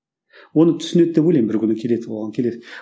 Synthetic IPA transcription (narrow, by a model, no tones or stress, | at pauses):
wonət̪ʰʏ̥sʏned̪̚d̪epbulʲejmbɪɾkʲʰʏnɪkʲʰe̞led̪ɪolˠʁɑnkʲʰe̞led̪ɪ